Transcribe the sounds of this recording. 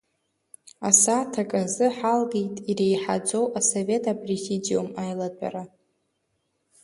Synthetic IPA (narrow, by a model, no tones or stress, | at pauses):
asatʰakʼazɨħalɡe̞jtʼiɾe̞jħad͡zʼo̞wʔasove̞tʰʼaprizidio̞̰majlatʷʼa̰ɾa